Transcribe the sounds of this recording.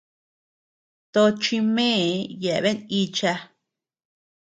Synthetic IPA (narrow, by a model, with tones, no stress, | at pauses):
t̪o˧t͡ʃi˧mẽː˦˨je˨˧βe˦ni˧t͡ʃa˧